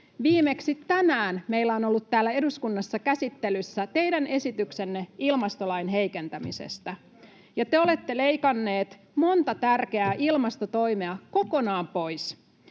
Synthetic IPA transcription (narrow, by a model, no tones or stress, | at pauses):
ʋiːme̞ksit̪tænæːnme̞ilːæono̞lːut̪tæːlːæe̞duskunːɑsːɑkæsit̪ːe̞lysːæt̪e̞jdæne̞sit̪ykse̞nːeilmɑst̪o̞lɑjnɦejke̞nt̪æmḭsḛst̪æ | jɑt̪eo̞le̞t̪ːe̞le̞jkɑnːe̞ːt̪ | mo̞nt̪ɑt̪ærk̟e̞æːʔilmɑst̪ot̪o̞jme̞ɑko̞ko̞nɑːmpo̞js